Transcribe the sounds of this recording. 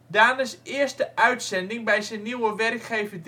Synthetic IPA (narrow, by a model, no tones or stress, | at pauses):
daːnəsɪərstəʔœɥtsɛndɪŋbɛjzənːiwəʋɛrkχejvəd